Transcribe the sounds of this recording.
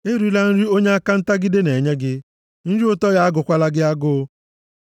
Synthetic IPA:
e˦ɾi˨˦la˦n̩˦ɾi˦o˦ɲe˦a˦ka˦n̩˦ta˦ɡɪ˦dɪ˦ne˨ɲe˦ɡɪ˦ | n̩˦ɾi˦o˦tɔ˦ja˦a˦ɡʊ˨kʷa˦la˦ɡɪ˦a˦ɡʊ˦

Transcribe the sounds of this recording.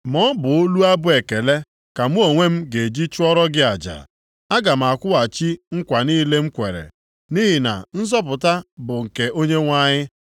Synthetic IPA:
mɔ˦bʊ˨o˦lu˦a˦bʊ˦e˨ke˨le˦ | ka˨mu˦o˨ŋʷe˦m̩˦ɡe˨d͡ʒi˦t͡ʃʊ˦ɔ˦ɾɔ˦ɡɪ˦a˨d͡ʒa̰˨ | a˦ɡa˨m̩˨a˨kʷʊ˦a˨t͡ʃi˦ŋ̩˦kʷa˨ni˦le˦m̩˦kʷe˨ɾḛ˨ | ni˦ɦi˨na̰˨n̩˦zɔ˦p̬ʊ˨ta˦bʊ˨ŋ̩˨ke˨o˦ɲe˦ŋʷa˦ɲɪ˦

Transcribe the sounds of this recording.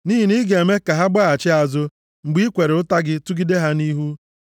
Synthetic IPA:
ni˦ɦi˨ni˦ɡe˨me˦ka˨ɦa˦ɡ͡ba˦a˨t͡ʃɪ˦a˨zʊ˦ | ŋ͡m̩˨ɡ͡bi˦kʷe˨ɾe˨ʊ˦ta˦ɡɪ˦tu˦ɡi˦de˦ɦa˦ni˦ɦu˦

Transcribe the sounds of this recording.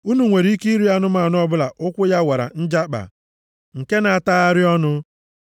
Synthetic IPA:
u˦nu˨ŋʷe˨ɾi˨˦i˦ki˦i˦ɾi˦a˦nʊ˦ma˨nʊ˦ɔ˦bʊ˦la˨ʔʊ˦kʷʊ˦ja˦wa˨ɾa̰˨n̩˦d͡ʒa˦k͡pa̰˨ | ŋ̩˨ke˦na˨a˨taː˦a˦ɾɪ˦ɔ˦nʊ˦

